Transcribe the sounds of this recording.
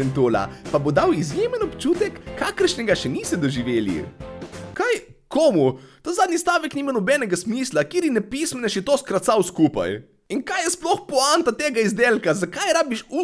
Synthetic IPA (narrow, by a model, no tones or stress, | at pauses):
ɛnt̪uːla̰pabod̪awizjemənɔpt͡ʃuːt̪ɛkːaːkəɾʃnʲɛɡaʃɛnisɛd̪ɔʒiʋeːlḭ | kaj | kʰoːmut̪azaːd̪nʲist̪aːʋɛkniːmanɔbɛːnɛɡasmiːslakeːɾinɛpismɛnɛʃjɛt̪oskɾat̪sawskupa̰j | inkajɛsplɔxpɔant̪at̪eːɡaizd̪eːlkazakajɾaːbiʃu